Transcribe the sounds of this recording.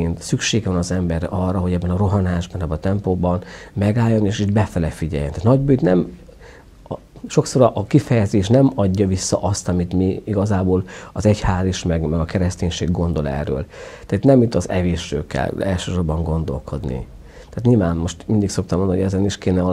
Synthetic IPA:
ent̪sykʃeːɡʋɒnɒzɛmbɛrɛʔɒrːɒɦo̞ɟɛbːɛnɒɾo̞ɦɒnaːʒbɒnɛbːɛnt̪ɛmpoːbɒnmɛɡaːjːo̞neːʃid̪bɛfɛlɛfiɟɛ̰jɛ̰naːt̪nɒɟbøːt̪nɛm | ʃo̞kso̞ɾɒʔːkifɛjɛzeːʃnɛmɒɟːɒvisːɒ̰ʔɒst̪ɒmit̪miiɡɒzaːboːlɒzɛchaːliʃmɛɡmɛɡɒkɛɾɛst̪eːɲʃeːɡːo̞nd̪o̞lɛ̰rːø̰ːlt̪aːt̪nɛmit̪ːɒzɛveːʃø̰ːkɛ̰lɛlʃøːʃorbɒŋɡo̞nd̪o̞̰lko̞̰d̪nḭ | t̪aːt̪ɲiːlvaːnmo̞ʃt̪mind̪ikso̞k̚t̪ɒmond̪nːoɛzɛniʃkeːnɛ

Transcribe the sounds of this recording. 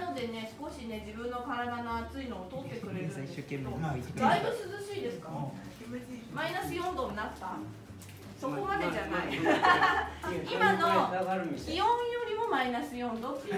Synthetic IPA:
no̞d̪e̞ne̞sɨ̥ko̞ɕine̞d͡ʑibɯ̟̃nːo̞kaɾad̪anoat͡sɨino̞ːt̪oːt̪ːe̞kɯ̟ɾe̞ɾɯ̟iɕokemed̪aibɯ̟̃sɨzɨɕiːd̪e̞sɨ̥ka | mainasijõ̞nd̪o̞nat̪ːa | so̞kko̞mad̪e̞d͡ʑanai | imanoɾijõjo̞ɾʲimo̞mainasijõ̞nd̪o

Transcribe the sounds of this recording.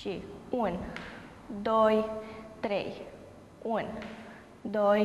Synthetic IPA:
t͡ʃiun | d̪ojt̪ɾej | un | d̪oj

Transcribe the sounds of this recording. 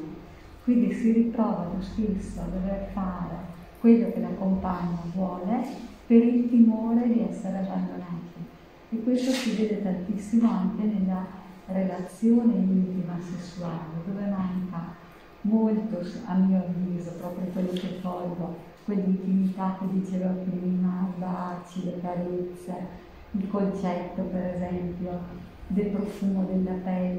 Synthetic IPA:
kwind̪isirit̪ɾɔːvat̪ust̪isːoad̪overfaːɾe | kwelːokelakːompaɲːovwɔːlepeɾilt̪imoːɾed̪iɛsːeɾeaband̪onat̪i | ekːwest̪osiveːd̪et̪ant̪isːimoaŋkenelːarelat̪sːjoːned̪unt̪imasesːuaːled̪oːvemaŋka | molt̪osa̰mːiːoavːiːzopɾɔːpɾjokwelːokevɔlɡo | kwelːint̪imit̪akːed̪it͡ʃeːvapɾiːmabat͡ʃilekaɾet̪sːe | ilkont͡ʃɛt̪ːopeɾezɛmpjo | d̪elpɾofuːmod̪elːapɛlː

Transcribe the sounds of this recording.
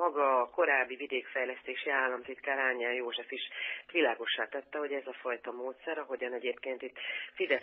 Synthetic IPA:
ɒɡɒːko̞ɾaːbːivid̪eːkfɛjlɛst̪eːʃiaːlːɒmt̪it̪kaːɾaːɲːɛljoːʒɛfiʃt̪ʋilaːɡo̞ʃːaːt̪ɛt̪ːɛho̞ɟɛzɒfɒjt̪ɒmoːt̪sɛɾɒɦo̞ɟɒnɛɟeːpkeːnt̪it̪ːfid̪ɛ

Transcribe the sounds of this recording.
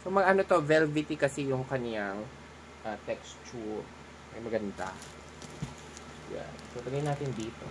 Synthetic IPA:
somɐɡʔanot̪o̞vɛlvɪt̪ɪkɐsɛjʊŋkɐnjaŋ | ʔat̪ɛkst͡ʃuɾ | mɐjmɐɡɐnd̪a̰ | ja̰nsolɐɡajnaːt̪ɪnd̪iːt̪o̰

